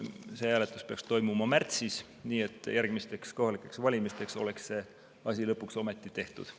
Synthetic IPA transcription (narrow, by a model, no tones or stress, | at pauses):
se̞hæːlet̪ːˑuspe̞ɑkst̪o̞jmumɑmært̪sis | niːe̞t̪ːˑjærɡ̥mist̪e̞ksko̞ɦɑlikːˑe̞ksvɑlʲimist̪e̞kso̞le̞ksse̞ | ɑsʲilɤpːˑukso̞met̪ːˑit̪e̞ht̪ṵd̪̥